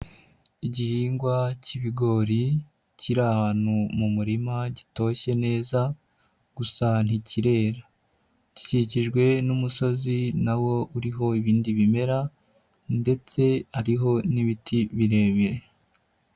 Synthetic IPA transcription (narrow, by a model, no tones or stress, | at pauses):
iɟihiːŋɡwaciβiɡo̞ɾi | ciɾahaːn̥humumuɾimaɟito̞çe̞ne̞ːza | ɡ̥usan̥iciɾe̞ːɾa | ci̥ciciʒɡwe̞numuso̞zinawo̞ʔuɾiɦo̞iβiːndiβime̞ɾa | nde̞t͡se̞haɾiɦo̞niβitʰiβiɾe̞ːβiɾe̞